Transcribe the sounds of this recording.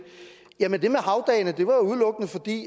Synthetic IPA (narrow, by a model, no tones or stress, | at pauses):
jæmənd̥e̝mehɑ̈ʊd̥ɛ̰ːnəd̥e̝ʋɑ̈ouð̞̩ˠlɔ̽ɡ̥ənəfɒ̽d̥ḭː